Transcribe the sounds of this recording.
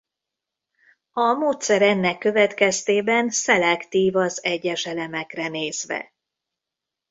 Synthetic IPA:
ɒmoːt̪sɛɾɛnːɛkːø̞vɛt̪kɛst̪eːbɛnsɛlɛkt̪iːvɒzɛɟːɛʃɛlɛmɛkrɛneːzvɛ̰

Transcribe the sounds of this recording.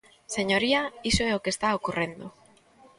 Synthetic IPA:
seɲoɾiaisoɛokest̪aokurʔend̪o

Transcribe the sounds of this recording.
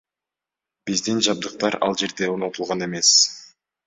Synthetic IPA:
b̥izd̪ind͡ʒɑb̚d̪ɯq̚t̪ɑɾɑ̰lˠd͡ʒe̞ɾd̪e̞onot̪ulˠʁɑne̞me̞s

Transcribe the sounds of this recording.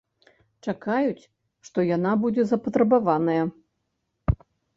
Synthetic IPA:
t͡ʂakajut͡sʲ | ʂt̪ɔjanabud͡zʲɛzɐpɐt̪ɾɐbavanɐjɐ

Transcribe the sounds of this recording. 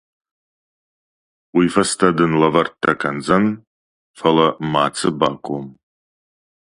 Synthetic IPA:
wifɐstʰadɨnlavɐrtʰːakʰʼand͡zan | falamaːt͡sʰɨbaːkʷʼom

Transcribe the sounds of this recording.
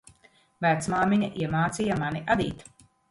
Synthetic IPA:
væt̪smaːmiɲaʔiɛmaːt̪sʲijamaniʔad̪ḭːt̪

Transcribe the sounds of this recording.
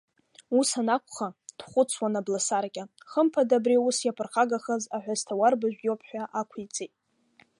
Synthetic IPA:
usanakʷʰʼχad̥χʷʊt͡sʰwanablasarkʲʼa | χəmpʰadabriusjapʰɨrχaɡaχəzaħʷaztʰawarbaʒʷᶣɡʲopʰħʷᶣaʔakʷʰijt͡sʼejtʼ

